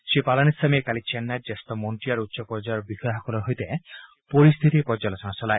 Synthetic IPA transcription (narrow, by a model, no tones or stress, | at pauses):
ʃepalanisʰamekalit͡ɕenːad͡ʒest̪ɔmoɳʈiaɾut̪ːʃɔpɔɾd͡ʒajɔɾbixɔjɦakɔlɔɦojt̪e | poɾist̪ʰit̪ipɔɾd͡ʒalɔt͡ʃɔñasɔlae